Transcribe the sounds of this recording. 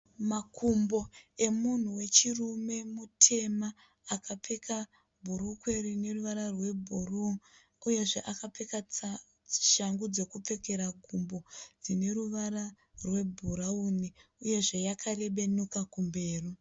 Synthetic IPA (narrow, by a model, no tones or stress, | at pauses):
makʰumbo̞e̞mun̤uwe̞t͡ʃirume̞mutʰe̞maː | kap͡fe̞ka | bʱuɾukwe̞ɾine̞ruʋaɾarwe̞bʱuru | uje̞ʐe̞ʔakap͡fekaa | i̥ʃaŋɡud͡ze̞kup͡fe̞ke̞ɾaɡʱumbo̞d͡zine̞ɾuʋaɾa | rwe̞bʱuɾauniuje̞ʐe̞jakʰaɾe̞ɓe̞nukakumbe̞ːru